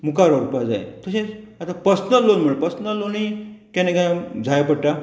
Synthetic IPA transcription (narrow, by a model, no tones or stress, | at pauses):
mukaɾɔɾupad͡za̰j̰t̪əsẽat̪ãpəsnəlonm̤əɭepəsnalonikɛnekãd͡zʱajpəɽʈa